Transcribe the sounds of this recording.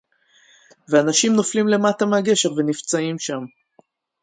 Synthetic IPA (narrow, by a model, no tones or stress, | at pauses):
veanaʃimnoflimle̞matameaɡe̞ʃe̞ʁve̞nift͡saimʃam